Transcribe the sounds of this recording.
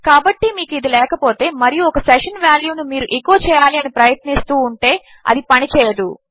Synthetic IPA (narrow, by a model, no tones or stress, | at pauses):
kaːbɐʈːimiːkuid̪ilɛːkɐpo̞ːt̪e̞ːmɐɾijuɔkɐsɛʂɐnʋjaːljuːnumiːɾuʔikoːt͡ʃɛːjaːliɐnipɾɐjɐt̪nist̪uːɳʈe̞ː | ɐ̰d̪ipɐnit͡ʃɛːjɐd̪ṵ